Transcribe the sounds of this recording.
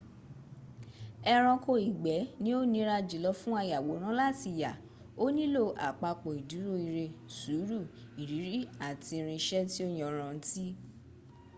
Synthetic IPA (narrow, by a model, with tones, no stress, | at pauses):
ɛ˧ɾ̃ɔ̃˧ko˧i˨ɡ͡bɛ˨˦nĩ˦o˦nĩ˧˦ɾa˧d͡ʒi˨lɔ˦fũ˦a˧ja˨wo˨˦ɾ̃ã˦la˦˨ti˨ja˨ | o˦nĩ˦lo˦˨ʔa̰˨k͡pa˧k͡pɔ˨i˨du˨˦ɾo˦i˧ɾe˧su˨˦ɾu˦˨ | i˨ɾi˨˦ɾi˦a˦˨ti˧ɾ̃ĩ˧ʃɛ˦ti˦o˦j̃ɔ̃˨ɾ̃ã˨n̩˦ti˦